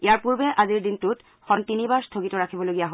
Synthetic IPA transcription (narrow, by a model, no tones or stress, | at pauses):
ijaɹpuɹbɛʔaziɹdintut | xɔntinibaɹstʰoɡitɔɹakʰibɔloɡiaɦo